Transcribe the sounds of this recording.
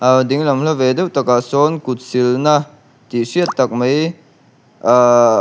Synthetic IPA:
ad̪iŋlɐmlɐʋed̪ewt̪ɐkasonkut̪̚silna | t̪isiɐt̪ːɐk̚mɐj

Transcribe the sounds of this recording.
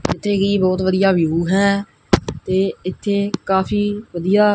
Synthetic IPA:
ɪt̪ʰːeːkiːbɔːt̪ʋəd̪ijaːʋjuːɦɛː | t̪eːɪt̪ʰːeːkaːpʰiːʋəd̪ijaː

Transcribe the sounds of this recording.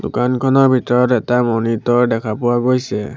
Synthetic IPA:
dukankʰɔnɔɹbʱitɔɹɔtɛtamɔnitɔɹdɛkʰapʊwaɡojsɛ

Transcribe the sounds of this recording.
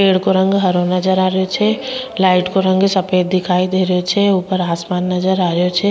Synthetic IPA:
peːɽkoɾə̃ŋɡɦəɾõnəd͡ʒəɾaːɾjot͡ʃʰɛlaːɪʈkoɾə̃ŋɡsəpeːd̪̚d̪ɪkʰaːid̪eːɾəjot͡ʃʰɛupəɾaːsmaːnːəd͡ʒəɾaːɾjot͡ʃʰɛ

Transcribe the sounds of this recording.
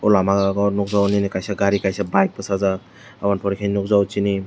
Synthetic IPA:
ɔlamaɡaɡɔnɔk̚zawninikajsaɡaɾikajsabajk̚basaza | awanpʰɔɾikʰejnɔk̚zawt͡ʃini

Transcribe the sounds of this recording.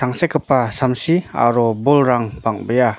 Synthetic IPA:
tʰaŋsekʰəpːasamsia̰ɾɔbɔlɾaŋbaŋbəja

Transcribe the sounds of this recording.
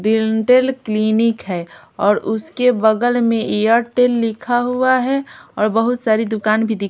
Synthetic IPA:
ɾilɳʈeːlklinɪkɦɛ | ɔːɾʊskebɐɡəlmẽʔejəɾʈeːlːɪkʰaɦuaɦɛɔːɾbəɦʊt̪saːɾid̪ʊkaːnbʱid̪ɪ

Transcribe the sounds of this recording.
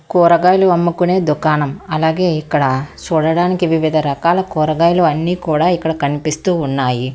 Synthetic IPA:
koːɾɐɡaːjluɐmːukuneːd̪ukaːnɐmɐlaːɡe̞ːikːɐɽɐt͡ʃɔːɽɐɽaːnikiʋiʋid̪ʱɐɾɐkaːlɐkɔːɾɐɡaːjluɐnːiːkuːɽaːikːɐɽɐkɐnipist̪uːnːaːji

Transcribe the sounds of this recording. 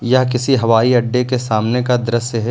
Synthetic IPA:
jak̬ɪsiɦɐʋaːiɐɖːekesaːmnekad̪ɐɾəsəɦɛ

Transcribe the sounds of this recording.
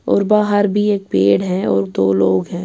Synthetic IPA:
ɔːɾbaːɦəɾbʱieːk̚peːɽɦɛ̃ɔ̰ːɾd̪oːloːɡɦɛ̃ː

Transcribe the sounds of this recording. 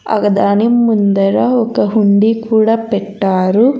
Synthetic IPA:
ɐ̰kɐd̪aːnimːund̪ɐɾɐɔkɐɦuɳɖikuːɽaːpɛʈːaːɾu

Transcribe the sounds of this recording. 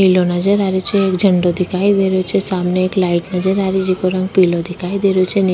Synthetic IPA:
ilonəd͡ʒəɾaɾet͡ʃʰeːkd͡ʒʱəɳɖod̪ʱikʰajd̪eɾjot͡ʃʰesamneeklaiʈnəd͡ʒəɾaɾid͡ʒikoɾãŋɡ̚pilod̪ikʰajd̪eɾjot͡ʃʰen

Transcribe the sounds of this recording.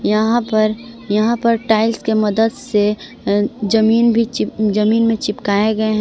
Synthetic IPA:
jɐɦãpɐɾ | jɐɦãpɐɾʈaːɪlskemɐd̪əd̪se | d͡ʒɐmiːnbʱid͡ʒɐmiːnmẽt͡ʃɪpkaːeɡɐeɦɛ̃

